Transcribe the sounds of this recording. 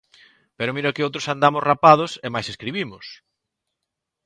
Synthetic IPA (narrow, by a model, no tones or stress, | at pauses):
peɾʊmiɾokɪowt̪ɾosand̪amʊzrapað̞ʊsemajseskɾiβimʊs